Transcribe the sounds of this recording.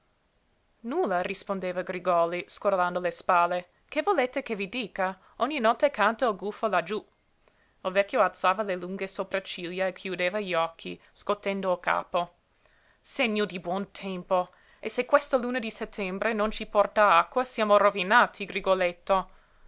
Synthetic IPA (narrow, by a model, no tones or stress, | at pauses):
nulːarispond̪eːvaɡɾiɡɔliskoɾland̪olespalːe | kevoleːt̪ekevid̪iːka | ɔɲːinɔt̪ːekant̪ailɡufolad͡ʒu | ilvɛkʲjoalt̪saːvaleluŋɡesopɾat͡ʃiljaekʰjud̪eːvaʎiɔkʰːḭ | skot̪ːend̪oka̰ːpo | seɲːod̪ibwɔnt̪ʰɛmpo | esekwest̪oluːnad̪isɛt̪ʰːɛmbɾenont͡ʃipɔrt̪aakːwasjaːmorovinaːt̪ʰiɡɾiɡolet̪ːo